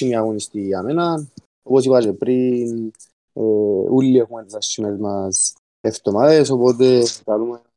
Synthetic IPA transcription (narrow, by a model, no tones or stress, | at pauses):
imiaɣonist̪iamenan | oposipad͡ʒepɾin | eulːiexumet̪sɐsimezmas | eft̪omaðeso̞pot̪̬ekalume